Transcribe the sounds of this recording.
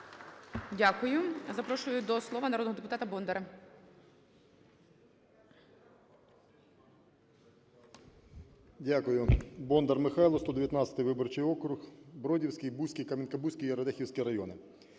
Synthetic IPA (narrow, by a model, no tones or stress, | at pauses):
dʲakʊjʊzɐpɾɔʃʊjʊd̪ɔslˠɔʋɐnɐɾɔd̪nɦɔd̪ep̬ʊt̪ɑt̪ɐbɔnd̪eɾɐ | dʲakʊjʊbɔnd̪ɐrmɪxɑjlˠɔst̪ɔd̪eʋjɐt̪nɑt̪t͡sʲsʲɐt̪ɪjʋɪbɔrt͡ʃɪjɔkɾʊxbɾɔdʲiwsʲkɪjbusʲkʲijkɐmʲinkɐbusʲkʲijɛɾɔd̪ɛxʲiwsʲkʲiɾɐjɔnɪ